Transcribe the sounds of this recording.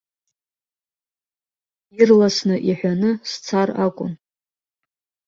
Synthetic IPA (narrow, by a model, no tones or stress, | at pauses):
irlasnɨʔiħʷᶣanɨst͡sʰarakʷʼʊ̰n